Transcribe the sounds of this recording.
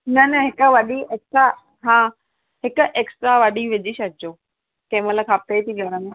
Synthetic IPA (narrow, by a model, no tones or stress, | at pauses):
nɐnɐɦɪkəʋɐɗiʔeːksʈɾa | ɦãː | ɦɪkʊ̆ʔeːksʈɾaʋɐɗiʋɪd͡ʑiʃɐd͡ʑoː | kɐ̃mələkʰaːpt̪et̪ʰiɡɐɽ̃əmẽ